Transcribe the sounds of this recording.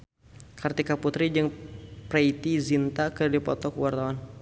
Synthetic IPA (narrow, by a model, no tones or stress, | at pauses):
kart̪ikaput̪ɾid͡ʒɨŋpɾait̪izint̪akərdipɔt̪ɔkwart̪awan